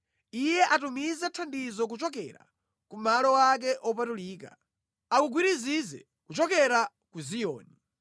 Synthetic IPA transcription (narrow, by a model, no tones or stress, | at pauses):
ijɛʔatumizatʰandizɔk̬ut͡ʃɔkɛɾa̰ | kumalɔwak̬ɛʔɔpatuliːka̰ | akuɡwiɾizizɛ̰ | kut͡ʃɔkɛɾa | kuzijɔ̰ːni